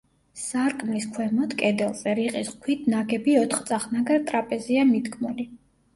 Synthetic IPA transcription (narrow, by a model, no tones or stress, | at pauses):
saɾkʼmliskʰwɛmɔt̪ʰkʼɛd̪ɛlˠzɛɾiqʼiskʰwit̪ʰnaɡɛbiɔt̪ʰχt̪sʼaχnaɡaɾt̪ʼɾapʼɛziamid̪kʰmuli